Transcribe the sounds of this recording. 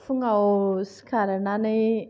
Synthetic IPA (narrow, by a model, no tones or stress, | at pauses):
fuŋaosi̥kaɾanani